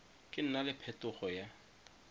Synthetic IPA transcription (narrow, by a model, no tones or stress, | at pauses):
kʼɪn̩nalɪpʰɛtʼʊχɔja